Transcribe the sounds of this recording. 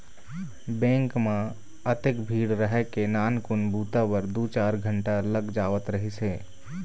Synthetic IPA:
bɛ̃ːŋkmã | ət̪ekbʱiːɽɾəɦɛkenaːnkʊnbʱuːt̪aʋəɾd̪uːt͡ʃaːɾɡʱə̃ɳʈaləɡd͡ʒaːʋət̪ɾəɦiseː

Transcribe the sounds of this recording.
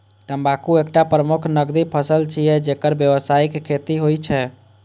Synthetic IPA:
t̪əbakuekʈapɾəmukʰnəɡd̪ipʰəsəlt͡ʃʰijɛd͡ʒekəɾbjəʋəsaikekʰːet̪iɦojt͡ʃʰɛ

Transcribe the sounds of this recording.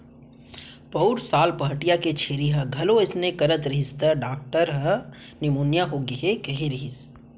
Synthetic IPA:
pɐʊɾsaːlpɐɦʈijaket͡ʃʰeːɾiɦɐɡʱɐloɪsnekɐɾət̪ɾɪɦɪst̪əɖaːk̚ʈəɾɦɐ | nɪmuːnjaɦoɡɐɦekɐɦeɾiɦɪs

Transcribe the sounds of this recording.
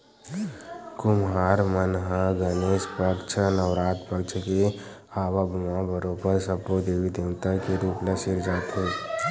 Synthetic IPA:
kʊmɦaːɾmənɦaɡəneːʃpəkt͡ʃʰnəʋɾaːt̪pəkt͡ʃʰke | aːʋabʱʊmãbʱəɾõpəɾsɐpːod̪eːʋid̪eːwt̪akiɾuːplesɪɾd͡ʒaːt̪ɦẽː

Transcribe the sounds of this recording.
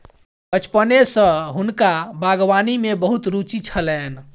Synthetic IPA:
bət͡ʃpənesə̃ɦunkabaɡʋanimebəɦut̪ɾut͡ʃit͡ʃʰəlɛn

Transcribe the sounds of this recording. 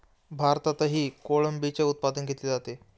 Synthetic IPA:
bʱaɾt̪at̪əɦiːkoɭəmbit͡ɕeut̪̚pad̪ənɡʱet̪led͡zat̪e

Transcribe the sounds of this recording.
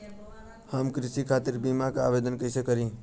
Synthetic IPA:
həmkɾɪsikʰaːt̪ɪɾbiːmakaa̰ːʋeːd̪ənkəɪsekəɾĩː

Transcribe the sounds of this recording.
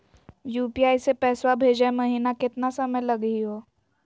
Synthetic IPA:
juːpiaːisepɛːswabʱeːd͡ʒaemɐɦiːnakɪt̪nasɐməjlɐɡəiɦoː

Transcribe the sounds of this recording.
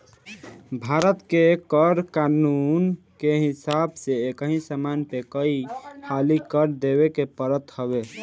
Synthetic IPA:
bʱaɾət̪kekəɾkanun | keɦisabseekəɦĩsamanpekəihʰalikəɾd̪ebekepəɾət̪həβe

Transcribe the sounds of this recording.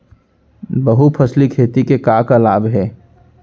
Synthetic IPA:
bɐɦupʰɐslikʰeːt̪ikekaːkalaːbɦɛː

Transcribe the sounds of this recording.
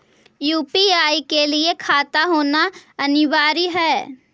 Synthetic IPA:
juːpiaːikelɪekʰaːt̪aɦoːnaɐnɪʋaːɾiɦɛː

